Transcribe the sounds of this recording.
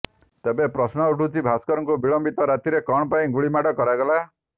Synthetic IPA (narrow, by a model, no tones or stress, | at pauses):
t̪ebepɾɔsnɔuʈũt͡ʃʰibʱaskɔɾɔŋkobiɭɔmbit̪ɔɾat̪iɾekɔɳ̃paĩɡuɭimaʈɔkɔɾaɡɔla